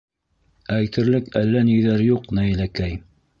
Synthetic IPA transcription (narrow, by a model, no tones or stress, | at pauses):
æjt̪ɘ̆ɾlɘkælːæniðæɾjuqnæjlækæj